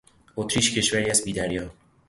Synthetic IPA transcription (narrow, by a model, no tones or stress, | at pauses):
ot̪ʰɾiʃcʰe̞ʃvæɾiæzbiːd̪æɾjɒː